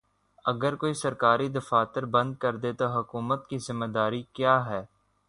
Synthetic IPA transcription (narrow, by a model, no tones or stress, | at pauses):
ɐɡəɾkoːisɐɾkaːɾid̪ɐfaːt̪ɪɾbɐ̃nd̪̚kɐɾd̪et̪oɦʊkuːmət̪kizɪmːəd̪aːɾikjaːɦɛː